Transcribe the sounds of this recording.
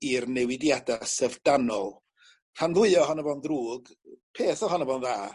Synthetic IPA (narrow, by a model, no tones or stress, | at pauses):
irnɛwɪdjadasəvdanɔlˠ | hanðˠʊɨɔɦɔnəvɔndruːɡ | pʰeːθɔhɔnəvɔnðaː